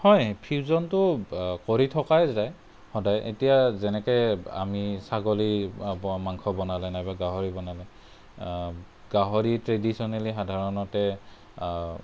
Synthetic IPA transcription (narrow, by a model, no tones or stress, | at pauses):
hɔjpʰizɔntʊkoɹitʰɔkajzaj | hɔdajʔḛtijazɛnɛkɔja̰misaɡoli | maŋkʰɔbɔnalɛnajbaɡaɦɔɹibɔnalɛ | ɡaɦɔɹitɹedisɔnalixadʱaɹɔnɔtɛ